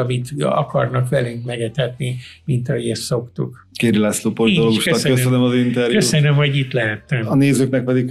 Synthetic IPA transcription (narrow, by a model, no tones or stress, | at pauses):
ɒmit̪ɒ̰kɒrnɒkʋɛlyŋkmɛɡɛt̪ɛt̪nimint̪ɒɦoɟɛsso̞kt̪ṵk | keːɾilaːsloːpolioloːɡuʃkøɒskøssønømɒzint̪ɛɾjkø̞usønømho̞ɟit̪lɛɦɛt̪ːɛmɒneːzøːknɛk̚pɛd̪ik